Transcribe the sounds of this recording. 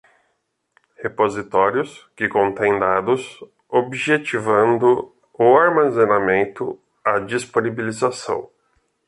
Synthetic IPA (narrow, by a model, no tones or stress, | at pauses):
hepozit̪ɔɾjʊskɪkõnt̪ẽj̃d̪ad̪ʊs | obiʒet͡ʃivɐ̃nd̪ʊ | ʊaɾmazenamẽnt̪ʊ | ad͡ʒisponibilizasɐ̰̃w̃